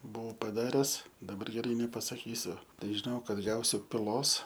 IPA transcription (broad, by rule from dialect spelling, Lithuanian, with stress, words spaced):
ˈbʊɐʊ pɐˈdɑːrʲɛs dɐˈbɐr ɡʲɛˈrɐɪ nʲɛpɐsɐˈkʲiːsʲʊ ˈtɐɪ ʒʲɪˈnɐʊ ˈkɐt ˈɡɐʊsʲʊ pʲɪˈlˠoːs